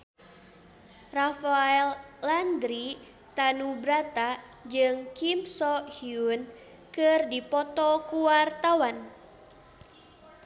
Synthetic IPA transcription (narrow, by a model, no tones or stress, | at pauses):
rafaɛlːand̪ɾi | t̪anubɾat̪ad͡ʒɨŋkimsɔhiun | kɨrdipɔt̪ɔkuwart̪awan